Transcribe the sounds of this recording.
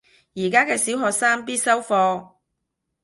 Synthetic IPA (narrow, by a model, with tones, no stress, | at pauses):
jiː˨˩kaː˥kɛː˧siː˨˥wɦɔː˨˧k̚saː˥ŋpiː˥t̚sɐ˥wfɔː˧